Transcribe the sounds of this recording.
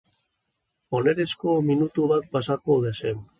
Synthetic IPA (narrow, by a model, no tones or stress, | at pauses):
o̞ne̞ɾe̞sko̞minut̪uβat̪̚pasakoðesen